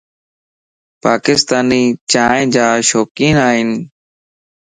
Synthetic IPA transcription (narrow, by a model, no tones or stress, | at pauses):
paːkɪst̪aːniːt͡ʃaːẽːd͡ʒaːʃoːkiːnaːɦɪn